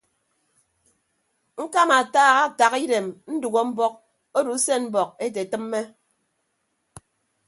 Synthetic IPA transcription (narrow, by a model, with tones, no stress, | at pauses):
ŋ̩˦ka˦ma˨taː˦ɣa˦˨ta˨ɣi˦de˨mn̩˦du˨ɡo˦m̩˦bɔ˦k̚ | o˦du˨˦se˦m̩˦bɔ˨k̚e˦t̬e˨tɨ˦mː˦e˦